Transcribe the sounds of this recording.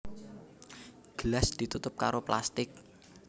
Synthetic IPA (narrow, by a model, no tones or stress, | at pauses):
ɡ̥əlasd̪̥i̤t̪ut̪ʊp̚ka̰ɾoplast̪ɪk̚